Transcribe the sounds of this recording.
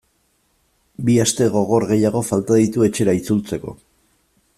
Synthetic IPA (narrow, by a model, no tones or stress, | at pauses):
biast̪e̞ɣ̞o̞ɣ̞o̞ɾɣe̞jaɣ̞o̞falt̪aðit̪ue̞t͡ʃe̞ɾait͡sult͡se̞ko̞̰